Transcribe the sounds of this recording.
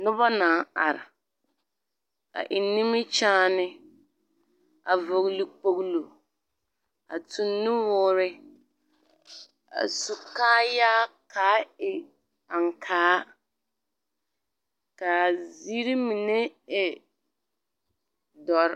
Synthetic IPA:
nʊ˦bɔ˦naː˨˦˨a̰˨ɾɪ̰˨ | a̰˨ʔɪ˨nːɪ˦mɪ˦t͡ʃaː˦nɪ˦ | a˨vo˨ɣlu˨k͡po˦ɣlo˨ | a̰˨tu˨nːɪ˦wʊː˦ɾɪ˦ | a̰˨su˨kaː˦ja˦kʰa˨˦ɪ˨ | a˨ŋkʰaː˦ | ka˨zi˦ɾi˦mi˨ne˦ɛ˨ | dɔ˨˦ɾ

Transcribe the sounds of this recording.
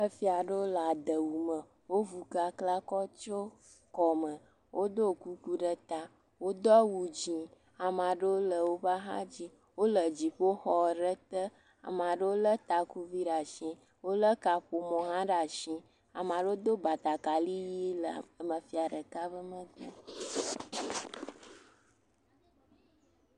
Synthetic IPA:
ə˦fi˦a˨ɖə˦wo˦la˨d̪ə˨wu˨mə˨ | wo˦vu˨ka˨kla˦kɔ˦t͡ʃo˦ | kɔ˨mə˨ | wʔo˦d̪o˦˨ku˦ku˦ɖə˨t̪a˨ | wo˦d̪ɔ˦wu˨d͡ʑi˨ | a˨mã˨ɖə˦wo˦lə˨wo˦ba˦ɦã̰˦d͡ʑi˦ | wo˦lə˨d͡ʑi˨ɸo˦xɔ˨ɖə˦t̪ə˦ | a̰˨m˨ã˨ɖə˦wo˦lə˦t̪a˨ku˦vi˦ɖa˨ʃĩ˦ | wo˦lə˦ka˨ɸo˨mɔ̃˨ɦã˦ɖa˨ʃĩ˦ | a˨mã˨ɖə˦wo˦d̪o˦ba˨t̪a˨ka˨li˦ji˦lə˨ə˨mə˨fi˦a˨ɖə˨ka˦bə˦mə̃˦ɡɔ̰˦

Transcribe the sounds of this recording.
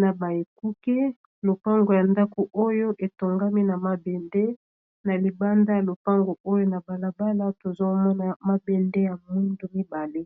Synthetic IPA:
na˨ba˨e˨ku˦ke˦ | lo˨pa˦ŋɡo˨ja˨nda˦ko˨ʔo˦jo˦ʔe˨to˨ŋɡa˦mi˦na˨ma˦be˨nde˦ | na˨li˨ba˦nda˦ja˨lo˨pa˦ŋɡo˨o˦jo˦na˨ba˨la˨ba˦la˦to˨zo˦mɔ˦na˦ma˦be˨nde˦ja˨mu˦ndo˨mi˦ba˨le˦

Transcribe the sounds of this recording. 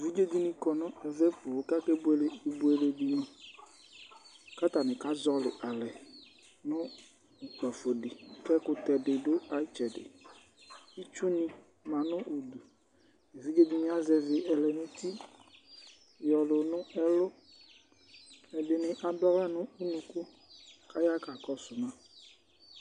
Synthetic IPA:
vi˦d͡ʒe˦d̪i˦nɪ̃˨kɔ˨nʊ̃˦ɛ˨vɛ˦pʊ˨˦ka˦kɛ˦bʊ˦e˨le˦e˨bʊ˦e˨le˨di˨nɔ̃˦ | ka˦t̪a˨nɪ̃˨ka˦zɔ˦lɪ̰˨ʔa˨lɛ˨ | nʊ̃˦ | ʊ˨k͡pa˨fo˨dɪ˨kɛ˦kʊ˨t̪ɛ˨dɪ˨dʊ˦a˨˦t͡ʃɛ˨dɪ̰˨ | i˦t͡ʃʊ˦nɪ̃˦ | mã˨nʊ̃˦ʔu˨d̪u˨ | e˨vi˨˦ɡe˦bi˨mĩ˦a˦zɛ˨vɪ˨ʔɛ˨lɛ˨nʊ̃˦t̪i˦ | jɔ˨lʊ˨nʊ̃˦ɛ˦lʊ˦ | ɛ˨dɪ˨nɪ̃˨ʔa˨dʊ˦a˦la˦nʊ̃˦u˦nũ˨kʊ˦ | ka˦ja˦ka˨kɔ˦sʊ˨nã˦

